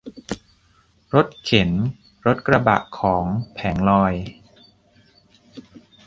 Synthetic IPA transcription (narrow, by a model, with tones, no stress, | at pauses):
ɾo˦˥t̪̚kʰe˩˦n | ɾo˦˥t̪̚kɾa˧ba̰˨˩ʔkʰːɔː˩˦ŋpʰɛː˩˦ŋlɔː˧j